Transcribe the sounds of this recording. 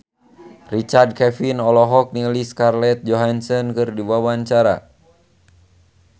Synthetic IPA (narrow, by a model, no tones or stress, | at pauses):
rit͡ʃard̚kɛfinɔlɔɦɔk̚niliskarlɛt̪̚d͡ʒɔɦansɔnkɨrdiwawaɲt͡ʃaɾa̰